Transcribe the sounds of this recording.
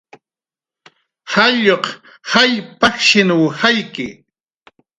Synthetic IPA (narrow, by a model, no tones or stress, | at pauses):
haʎoχ | hajpaχʃɪnʊwhajkɪ